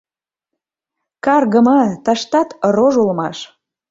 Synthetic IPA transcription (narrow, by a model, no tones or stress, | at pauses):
kɑrɣəmɑt̪ɑʃt̪ɑt̪roʒulmɑʃ